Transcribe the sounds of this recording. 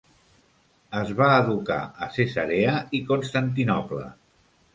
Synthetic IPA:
əzβaːðuka̰əsezəɾeəikunst̪ant̪̬inɔplə̰

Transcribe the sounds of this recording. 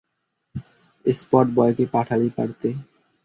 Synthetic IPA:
espɔʈ̚bɔjkepaʈʰalipa̰ɽɾt̪e

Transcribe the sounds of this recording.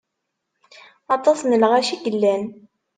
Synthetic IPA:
ɑt̪ˤɑsnəlʁæʃiɡəlːæn

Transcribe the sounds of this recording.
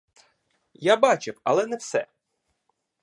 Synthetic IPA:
jabɑt͡ʃɪwɐlˠɛnɛwsɛ̰

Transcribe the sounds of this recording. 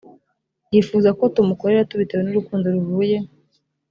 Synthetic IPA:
jifuːzakotumuko̞ɾe̞ɾatuβitaβenuɾukuːndoɾuvuːje̞

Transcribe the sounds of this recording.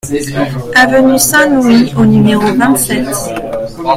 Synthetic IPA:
avənysɛ̃nionymeʁovɛ̃t̪sɛt̪

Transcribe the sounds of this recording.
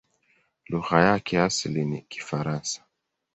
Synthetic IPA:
luɣajakʰɛasilinḭki̥faɾansḁ

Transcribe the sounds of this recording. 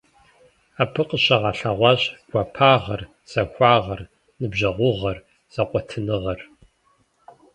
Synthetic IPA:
aːpʰɨqʼəɕɐʁɑɬɐʁʷɑɕʼɡʷɐpʰaːʁɐr | z̥ɐxʷɑːʁɐr | nɨbʑɐʁʷʊʁɐr | z̥ɐqʷʼɔtʰɨnɨʁɐr

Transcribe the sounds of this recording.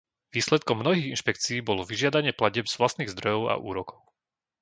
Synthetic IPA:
ʋiːslɛt̪kɔmːnɔɦiːɣinʃpɛk̚t͡siːbɔlɔʋiʒɪad̪aɲɪɛplaɟɛbz̥ʋlast̪niːɣzd̪ɾɔjɔʊa̰ʔṵːɾɔkɔʊ

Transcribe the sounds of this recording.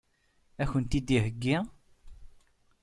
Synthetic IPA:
æçənt̪id̪ihəɡːi

